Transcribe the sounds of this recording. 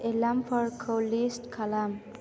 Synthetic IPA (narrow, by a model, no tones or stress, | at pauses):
elampʰəɾkʰolisʈkʰalam